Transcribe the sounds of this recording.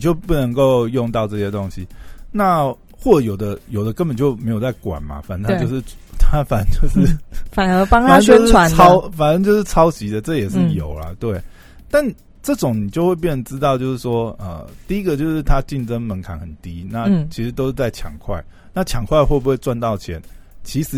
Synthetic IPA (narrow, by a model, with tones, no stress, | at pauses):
n˨˩t͡ɕjo˥˧ʊpu˥˩nə˧˥ŋko˥˧ʊjʊ˥˧ŋt̪ɑ˥˧ʊʈ͡ʂɤ˥˩ɕjɛ˥t̪o˦˥ŋɕi˧˦na˥˧ | xwɔ˥˩ʈ͡ʂɤ˧˩jo˨˩ʊd̪ə˦jo˨˩ʊd̪ə˦kə˦npə˨˩nt͡ɕjo˥˩ʊme˧˥ɪjo˨˩t͡sa˥˩ɪkwa̰˨˩nmɐ̰˨fa˨˩nə˧˥nt̪ʰt͡ɕjo˥˧ʊʂɻ̩˥˧t̪ʰa˥fa˨˩nə˦˥t͡ɕjo˥˧ʊʂɻ̩˥˩fa˨˩nə˧˥pɑ˥ŋfa˩nə˥t͡ɕo˥˧ʂɻa˨˦ɑ˥ʊfa˨˩nə˥ŋt͡ɕjo˥˧ʂɻ̩˥˩t͡sʰɑ˥ʊt͡ɕi˨˥d̪ə˨ʈ͡ʂɤ˥˨jɛ˨˩ʂɻ̩˥˩jo˨˩ʊlɐ̰˨t̪we˥˩ɪ | t̪a˥˩n | ʈ͡ʂɤ˥˩ʈ͡ʂʊ˨˩ŋni˨˩t͡ɕjo˥˧ʊxwe˥˧ɪjɛ˥˩nə˧˦nʈ͡ʂɻ̩˦t̪ɑ˥˧ʊt͡ɕjo˥˧ʊʂɻ̩˥˩ʂwɔ˥ə̰˨t̪i˥˩i˦˥ɡə˨˧t͡ɕjo˥˧ʊʂɻ̩˥˩t̪ʰa˦˥t͡ɕi˥˩nʈ͡ʂə˥ŋmə˧˦nkʰa˨˩nhə˨˩nt̪i˦˥na˥˩t͡ɕʰi˧˥ʂɻ̩˧˥t̪o˥ʊʂɻ̩˥˧˩t͡sa˥˩ɪt͡ɕʰjɑ̰˨˩ŋkʰwa˥˩ɪ | na˥˩t͡ɕʰjɑ˨˩ŋkʰwa˥˧ɪxwe˥˩bu˧˩xwe˥˧ɪwa˥˧nt̪ɑ˥˩ʊt͡ɕʰjɛ˧˦n | t͡ɕʰi˧˥ʂɻ̩˧